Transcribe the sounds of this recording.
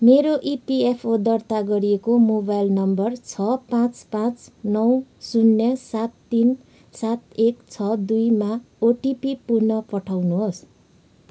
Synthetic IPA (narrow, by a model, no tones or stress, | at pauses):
meɾoʔipiepʰod̪ʌrt̪aɡʌɾijekomobajlnʌmbʌrt͡sʰʌpãt͡spãt͡snʌwsunːjʌsat̪ːin | sat̪ekt͡sʰʌd̪ujma | oʈipipurnʌpʌʈʰawnuɦos